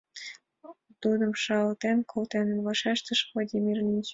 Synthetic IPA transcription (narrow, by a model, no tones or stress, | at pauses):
t̪ud̪ɤ̆mʃɑlt̪enkʰolt̪enəmvɑʃɑʃt̪ə̆ʃvlˠadʲimʲirlʲint͡ɕ